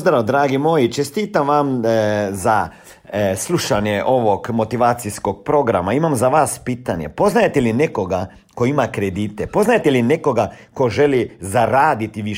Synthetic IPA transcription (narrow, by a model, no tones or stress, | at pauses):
zd̪ɾawd̪ɾaːɡimoːjit͡ʃɛst̪iːt̪amʋamza | sluːʃanjɛʔoʋɔkmot̪iʋaːt̪siskok̚pɾoɡɾa̰maimamzaʋaspiːt̪anjɛ̰poznajet̪ɛlineːkoɡa | koiːmakɾɛd̪iːt̪ɛpoznajet̪ɛlineːkoɡakoʒɛlizaɾaːd̪it̪iʋi